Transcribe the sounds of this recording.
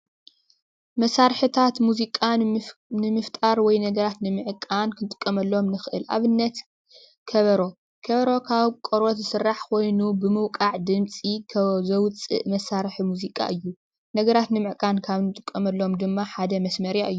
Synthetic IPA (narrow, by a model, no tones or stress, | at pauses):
mɐsaɾħɨt̪ʰat̪muzikʼanɨmɨft̪ʼaɾwɔjnɐɡɐɾat̪nɨmɨʕkʼankʰɨnt̪ʼɨ̥kʼːɐmɐlːo̞mnɨxɨʔɨ̰lʔa̰βɨnːɐt̪ | kʰɐβɐɾo̞ | kʰɐβɐɾo̞kʰaβkʼoɾot̪zɨsɨrːaħkʰo̞jnubɨmɨwkʼaʕd̪ɨmt͡sʼikʰɐzɐwt͡sʼɨ̰ʔmɐsaɾħimuzikʼa̰ʔɨjːu | nɐɡɐɾat̪nɨmɨʕkʼankʰaβnɨt̪ʼɨkʼːɐmɐlːo̞md̪ɨmːaħad̪ɐmɐsmɐɾjaʔɨjːu